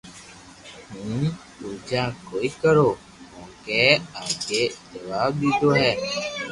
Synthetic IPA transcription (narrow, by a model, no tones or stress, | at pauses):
ɦũː | uːd͡ʒaːkoːiːkəɾoː | mõːkeːaːɡeːd͡ʒəʋaːbd̪iːd̪oːɦɛː